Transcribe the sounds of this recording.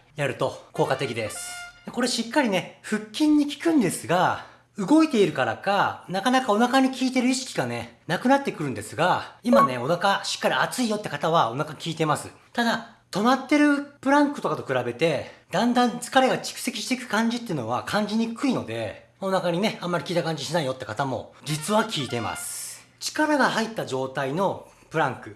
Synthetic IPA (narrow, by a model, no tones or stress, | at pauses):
jaɾɯ̟t̪o̞ko̞ːkat̪e̞kʲid̪e̞sɨ̥d̪eko̞ɾe̞ɕikːaɾʲine̞ɸɯ̟kʲːĩɲ̟ːikʲi̥kɯ̟̃nd̪e̞sɨɡa | ɯ̟ɡo̞it̪e̞iɾɯ̟kaɾa̰kanakanakao̞nakaɲ̟ikʲiːt̪e̞ɾɯ̟iɕi̥kʲi̥ɡane̞nakɯ̟nat̪ːe̞kɯ̟ɾɯ̟̃nd̪e̞sɨɡaimane̞o̞nakaɕi̥kːaɾʲiat͡sɨijo̞t̪ːe̞kat̪aβ̞ao̞nakakʲʰiːt̪e̞masɨ̰ | t̪ad̪a | t̪o̞mat̪ːe̞ɾɯ̟pɯ̟ɾãŋkɯ̟t̪o̞kat̪o̞kɯ̟ɾabe̞t̪e̞d̪̥ãnd̪ãnt͡sɨ̥kaɾe̞ɡat͡ɕi̥kɯ̟̥se̞kʲi̥ɕi̥t̪e̞ikɯ̟̥kãɲ̟d͡ʑit̪ːeɯ̟no̞βa̰kʰãɲ̟d͡ʑiɲ̟ikɯ̟ino̞d̪e̞̰mao̞nakaɲ̟ine̞ãmːaɾʲikʲiːt̪akãɲ̟d͡ʑiɕinaijo̞t̪ːe̞kat̪amo̞̰d͡ʑit͡sɨβakʲʰiːt̪e̞ma̰sɨ̥t͡ɕi̥kaɾaɡahait̪ːaʑo̞ːt̪aino̞ | pɯ̟ɾãŋkɯ̟